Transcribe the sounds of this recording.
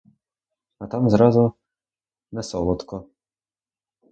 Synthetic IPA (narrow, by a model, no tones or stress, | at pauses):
at̪amzɾɑzʊ | nɛsɔlˠɔt̪kɔ